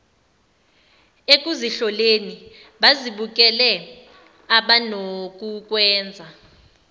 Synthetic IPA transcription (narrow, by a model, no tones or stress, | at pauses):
ek̬ʼuziɬɔleni | ɓaziɓuk̬ʼɛlɛ | aɓanok̬ʼuk̬ʼwɛːnd͡zʱa